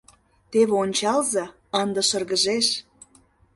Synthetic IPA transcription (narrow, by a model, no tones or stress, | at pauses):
t̪eβeonʲt͡ɕɑlzɑ | ənd̪ɤ̆ʃɤ̆rɣə̆ʒeʃ